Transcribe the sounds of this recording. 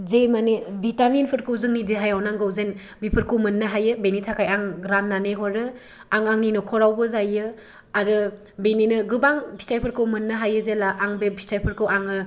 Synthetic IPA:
zejmanebitaminpʰɯɾkʰɯwzɯŋnidiɦajawnaŋɡɯwzen | bipʰɯɾkʰɯwmɯnːɯɦajɯbenitʰakʰajaŋɾanːaneɦɔɾɯ | aŋaŋninɔkʰɔɾawbɯzajɯ | aɾɯ | beninɯɡɯbaŋbʰʱi̥stʰajpʰɯɾkʰɯwmɯnːɯɦajɯzelaʔaŋbebʱi̥stʰajpʰɯɾkʰɯwaŋɯ

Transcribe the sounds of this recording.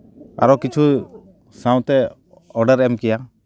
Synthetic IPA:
a̰ɾɔkit͡ʃʰu | sãw̃t̪ɛ | ɔɖəɾɛmkɛja

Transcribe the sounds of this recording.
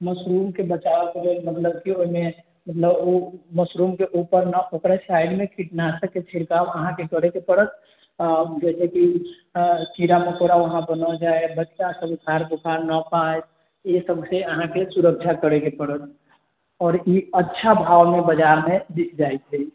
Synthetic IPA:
məsɾumkebət͡ʃaəkelelmət̪ləbkioɦime | mət̪ləboməsɾumkeʔupəɾnəʔokɾasajɖmekʰiʈnasəket͡ʃʰiɽkabəɦãkekəɾekepəɽət̪̚ | d͡ʒɛseki | t͡ʃiɾamekoɾaʋəɦãbənəld͡ʒaebəʈjasəbukʰaɾbukʰaɾnəpae | esəbʱseəɦãkesuɾək̚t͡ʃʰakəɾekepəɽət̪̚ | ɔːɾiətːʃʰabʱawmebəd͡ʒaɾmed̪ikʰd͡ʒaet̪ʰɛ

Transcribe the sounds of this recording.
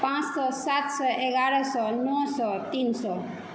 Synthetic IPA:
pãt͡ʃsɔsat̪sɔʔeɡaɽɔsɔnɔsɔt̪insɔ

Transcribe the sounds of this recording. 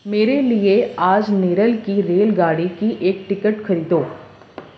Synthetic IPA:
meːɾelieaːd͡ʒneːɾəlkiɾeːlɡaːɽikiʔeːk̚ʈɪkəʈxɐɾiːd̪oː

